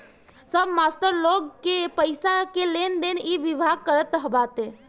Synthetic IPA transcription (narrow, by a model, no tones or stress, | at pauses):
səbmasʈəɾloɡkepəɪsakelend̪eniʋibʱaɡ̚kəɾət̪ɦəbat̪e